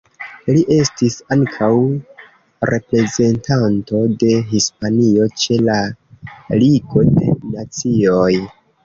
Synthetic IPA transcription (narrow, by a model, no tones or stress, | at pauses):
liʔe̞stisaŋkʰaw | ɾe̞pɾe̞ze̞ntanto̞de̞ɦispanio̞t͡ʃe̞la | liɡo̞de̞̰nat͡sio̞j